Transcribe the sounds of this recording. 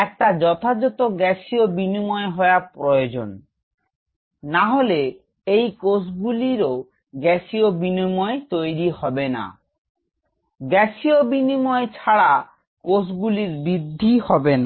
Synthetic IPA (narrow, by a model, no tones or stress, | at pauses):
ɛk̚ʈad͡ʑɔt̪ʰad͡ʑɔt̪oɡɛʃiobinimɔeɦɔeapɾood͡ʑo̰n | naɦole | ejkosɡuliɾo | ɡɛsiobinimɔet̪ojɾihɔbena̰ | ɡɛsiobinimɔet͡ɕʰaɽa | kosɡuliɾbɾid̪ʱːihɔben